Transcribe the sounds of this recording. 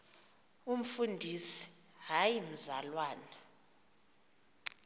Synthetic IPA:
um̩fundʱisi̥ɦajim̩zalwaːna

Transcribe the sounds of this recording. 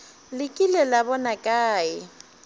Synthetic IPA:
lɪkʼilɛlabɔnakʼaːɪ

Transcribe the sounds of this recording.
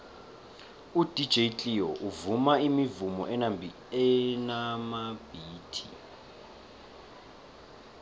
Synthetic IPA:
ud̥ʱid̥d͡ʒ̥ʱejt͡ɬʼiɔʔuvumaimivumɔ̰ʔɛnab | ɛnamab̥ʱiːtʰḭ

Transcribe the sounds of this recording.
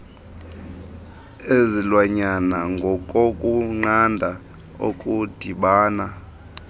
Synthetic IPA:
ezilwaɲanaŋɡʱɔkʼokʼuŋ͡ǃandʱa | o̰kʼud̥ʱiɓaːna

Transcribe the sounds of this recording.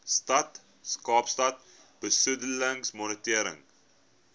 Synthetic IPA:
stɐt | skɑːpstɐt̚ | b̥əsədələŋsmɔnətiəɾə̰ŋ

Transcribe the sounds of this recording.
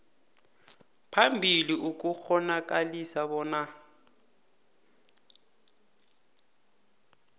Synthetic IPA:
pʰambʱiliʔuk̬ʼuxɔnak̬ʼalisaβɔːna

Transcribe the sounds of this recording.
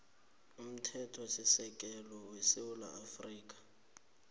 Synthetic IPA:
um̩tʰɛtʰɔsisɛkʼɛlɔwesɪwʊla̰afriːk̬ʼḁ

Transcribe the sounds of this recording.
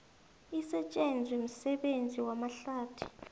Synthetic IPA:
isɛt͡ʃʼend͡zʱwim̩sɛɓend͡zʱiwamaɬaːtʰi̥̰

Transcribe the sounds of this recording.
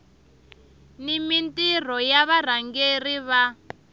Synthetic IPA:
nimintʼir̤ɔjaβar̤aŋɡeriβa

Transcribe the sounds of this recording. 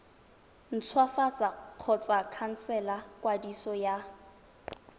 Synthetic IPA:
n̩t͡sʰwafat͡sʼaq͡χʰɔt͡sʼakʰan̩sɛlakʼwadisɔja

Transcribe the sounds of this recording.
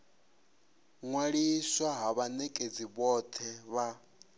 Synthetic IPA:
ŋwaɺiswaɦaβanɛkʼed͡ziβɔt̪ʰɛβa

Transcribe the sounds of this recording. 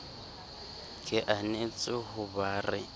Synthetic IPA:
kʼɪʔanet͡sʼɪɦʊbaːrɪ

